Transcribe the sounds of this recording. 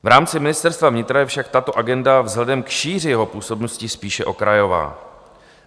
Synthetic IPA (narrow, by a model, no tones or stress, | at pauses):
vɾaːmt͡sɪmɪnɪst̪ɛɾst̪vavɲɪt̪ɾajɛfʃak̚t̪at̪o̞ʔaɡɛndavzɦlɛdɛmkʃiːrɪjɛɦo̞puːso̞bnoscɪspiːʃɛʔo̞kɾajo̞va̰ː